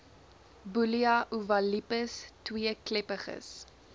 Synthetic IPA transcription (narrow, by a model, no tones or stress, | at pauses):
buliɐʔuvɐlipəstwiəklɛpəχə̰s